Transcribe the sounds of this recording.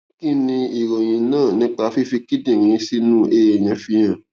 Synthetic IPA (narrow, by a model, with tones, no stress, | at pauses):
kĩ˦˨nĩ˧i˨ɾo˨j̃ĩ˨nãː˦˨nĩ˦k͡pa˧fi˦fi˧ki˦dĩ˦˨ɾĩ˨˧˦si˦nũ˦ʔe˦e˨jɛ̃˨˧fi˧j̃ã˨